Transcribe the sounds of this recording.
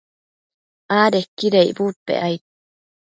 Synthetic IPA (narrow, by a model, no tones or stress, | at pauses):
ʔaːɾekiɾeibuːt̪̚pḛʔajt̪̚